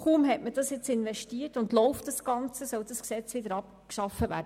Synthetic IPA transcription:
χuːmɦɛtməd̥ɑsjɪt͡sɪnʋɛʃtiːərtʊndlɔʊftd̥ɑsɡ̥ɑnt͡səsœld̥ɑsksɛt͡sʋɪdəɾɑp̚ | kʃɑfːəʋæ̰ːɾdə

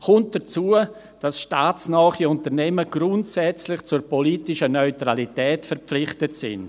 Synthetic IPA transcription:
kʊnt̚d̥ɐt͡suːə | d̥asʃtaːt͡snɔːχiʊntəɾnɛməɡ̥ɾʊntsɛt͡slɪχt͡sʊɾpɔliːtɪʃənœʏtʁalitɛːtfɛɾpp͡flɪχtətsɪ̰n

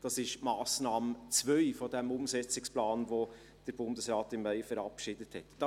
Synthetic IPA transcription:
d̥ɑsɪʃmɑːsnɑːmət͡svœʏfɔdɛmʊmsɛt͡sɪksplɑːnʋo | d̥əɾbʊndəsɾɑːtɪmːæjfəɾɑpʃɪdəthɛtd̥ɑ

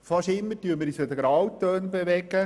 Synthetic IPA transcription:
fɑʃɪmːətyəməɾisəd̪əɡɾɑwt̪øːnbeʋɛɡə

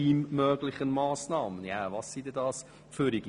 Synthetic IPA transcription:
iːmmœːɡlɪχənmɑːsnɑːmənjavɑsːidɛdɑːs | føɾiɡ

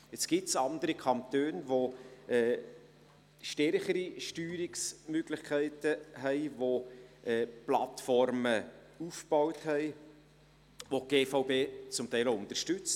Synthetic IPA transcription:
ɪt͡sɡ̥ɪtsɑnd̪əɾikʰɑnt̪øːnvoɛː | ʃtɛɾχəɾiʃtyːɾɪksmøɡ̥lɪχkʰæɪtəɦɛɪʋoɛːplɑtfɔɾmə | ufb̥ɔwthɛɪ | ʋoɡ̥eːfɑʊbeːt͡sʊmtɛɪlʊnt̪ərʃtʏt͡s

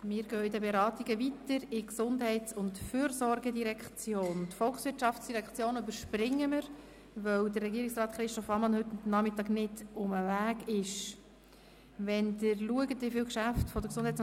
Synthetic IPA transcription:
mɪːɾɡœːɪd̪əbeɾɑːt̪iɡəvitəɾɪksʊndɦɛɪtt͡sʊntfyːɾsɔɾɡədiɾɛkχt͡sjoːntfɔlxsʋɪtʃɑft͡sd̥iɾɛkχt͡sjoːnybəɾʃprɪŋːəməɾ | ʋœwdərːɛɡiːəɾiksrɑːt̪χɾɪʃtɔfɑmɑnhɵtnɑmɪtɑːɡnɪdʊməvæːɡɪʃ | ʋɛndəɾluəɡəndɪfɪwkʃæftfɔd̪əksʊndhɛjt͡s

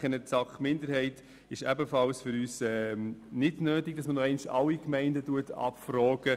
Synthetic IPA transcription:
ənəsɑχmɪndəɾhɛɪt | ɪʃɛbəfɑlsfʏɾyːsɛnɪdnøːtɪɡ̚dɑsmənɔɛɪnʃɑ̰lːikmɛɪndətuətʰɑ̰pfrɔːɡ̥ə

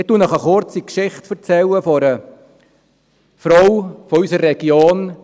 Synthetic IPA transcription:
ɪtuənɔχəχʊɾt͡sikʃɪχtfəɾt͡sɛləfɔɾə | fɾɔwfɔysərːɛɡ̥joːn

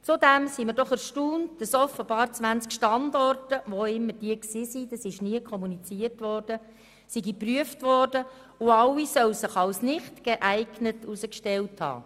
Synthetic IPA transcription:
t͡sudæmsiməɾdɔχɛɾʃtuːnt̚d̥ɑsɔfəb̥ɑːrt͡sʋænt͡skʃtɑndɔrtəʋoɪmːəd̥iəksiːsid̥ɑsɪʃniəkʰχɔmunit͡siərtʋɔrd̥ə | siɡipryəftʋɔrd̥ə | ʊɑwisœwsɪχɑwsnɪχtɡ̥eʔæɪɡnətusəkʃtɛlthɑ̰ː

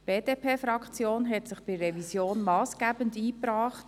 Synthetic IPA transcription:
b̥eːd̥epʰeːfɾɑkt͡sjoːnɦɛtsɪχb̥ɪrɛvisjoːnmɑːsɡ̥æːbəndiːpɾɑːχt

